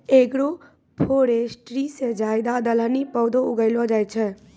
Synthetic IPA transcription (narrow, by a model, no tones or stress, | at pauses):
eːkɽo | pʰoɾesʈɾised͡ʒaːjd̪ad̪ələnipəwd̪ʱoʊɡəɪlod͡ʒajt͡ʃʰɛ